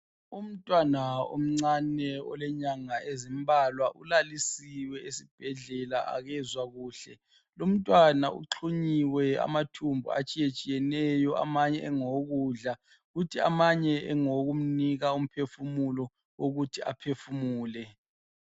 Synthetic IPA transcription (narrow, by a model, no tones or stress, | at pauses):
um̩tʼwanao̰m̩ŋ͡ǀanɛɔ̰lɛɲaŋaezimbʱalwaʔulalisiwɛesib̥ʱɛɮɛlaa̰ɣɛzwaɣuːɬɛ | lum̩tʼwana̰ʔṵǃʰuɲiwɛa̰matʰumbʱṵa̰t͡ʃʼijet͡ʃʼijɛnɛjɔʔa̰maɲɛʔɛŋoɣuɮa | ɣutʰia̰maɲɛɛ̰ŋoɣum̩niɣaum̩pʰefumulɔ | woɣutʰia̰pʰefumuːlɛ